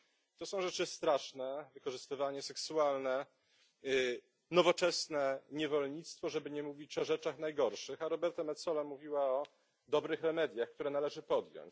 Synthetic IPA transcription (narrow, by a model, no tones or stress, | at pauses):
t̪ɔsɔ̃w̃ʐɛt͡ʂɘst̪ɾaʂnɛvɘkɔʐɘst̪ɘvaɲɛsɛksualnɛ | nɔvɔt͡ʂɛsnɛɲɛvɔlɲit̪st̪fɔʐɛbɘɲɛmuvʲit͡ɕɔʐɛt͡ʂaxnajɡɔɾʂɘxaɾɔbɛɾt̪amɛt̪sɔlamuvʲiwaɔ | d̪ɔbɾɘxɾɛmɛd̪ʲjaxkt̪uɾɛnalɛʐɘpɔd̪jɔ̰̃ɲt͡ɕ